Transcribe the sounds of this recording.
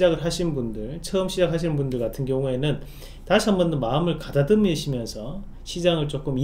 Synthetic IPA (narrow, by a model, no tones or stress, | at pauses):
d͡ʑaɡɯɭɦaɕʰinnbundɯɭt͡ɕʰʌɯmɕʰid͡ʑak̚haɕ̬ʰinɯnbundɯɭkatʰɯnɡjʌŋue̞nɯn | taɕʰiambʌndomaɯmɯɭkadadɯmiɕʰimjʌnsʰʌ | ɕʰid͡ʑaŋɯɭt͡ɕ͈ok͈ɯmi